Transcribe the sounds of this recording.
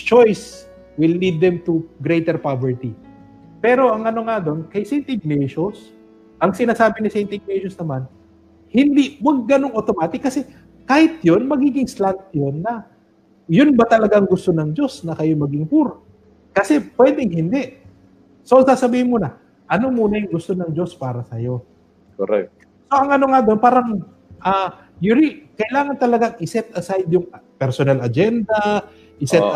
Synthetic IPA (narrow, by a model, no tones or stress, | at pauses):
t͡ʃojs | wɪlːid̪̚ːɛmt̪ʊɡɾejt̪ɛɹpavɛɹt̪i | pɛːɾo̞ʔɐŋɐno̞ŋad̪o̞nkɐjsɛjnt̪ɪɡ̚nɛʃos | ʔɐŋsɪnaːsaːbɪnɪsɛjnt̪ɪɡ̚nɛʃʊsnɐman | hɪnd̪iwɐɡ̚ːɐnoŋʔot̪omaːt̪ɪkːɐsɛ | kaːhɪt̪̚jo̞nmɐɡiːɡɪŋslant̪̚jonːɐ | jʊnbɐt̪ɐlɐɡaŋɡʊst̪o̞nɐŋd͡ʒo̞snɐkɐjomɐɡɪŋpuɾ | kɐsɛpwɛd̪ɛŋhɪnd̪ɛʔ | soʔɐŋsaːsɐbiːhɪnmunɐ | ʔɐno̞muːnɐjʊŋɡʊst̪o̞nɐŋd͡ʒo̞spaːɾɐsɐjo̞ | koɾɛ̰k̪̚ | so̞ʔɐŋʔɐno̞ŋad̪o̞npaːɾɐŋ | ʔaː | juɾikɐʔɪlaːŋɐnt̪ɐlɐɡaŋʔɪsɛt̪ɐsajd̪jʊŋpɛɾsonalɐd͡ʒɛnd̪ɐ | ʔɪsɛt̪